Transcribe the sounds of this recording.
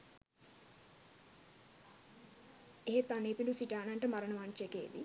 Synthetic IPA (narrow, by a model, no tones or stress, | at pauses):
eɦet̪ːaneːpinɖusiʈaːnanʈəmaɾənəʋaːnt͡ʃekḛːd̪ḭ